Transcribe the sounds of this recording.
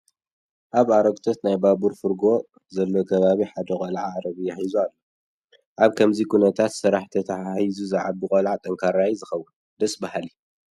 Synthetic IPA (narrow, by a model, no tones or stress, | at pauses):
ʔaβaɾɐɡt̪ʰo̞t̪najbabuɾfɨɾɡo̞ | zɐlːo̞kʰɐβaβiħad̪ɐkʼɐlʕaɾɐβijaħizualːo | ʔaβkʰɐmzikʰunɐt̪ʰat̪sɨɾaħt̪ʰɐt̪ʰɐajizuzɨʕabɨkʼɐlʕat̪ʼɐŋkʰaɾajzɨxɐwːɨn | d̪ɐsʼbahli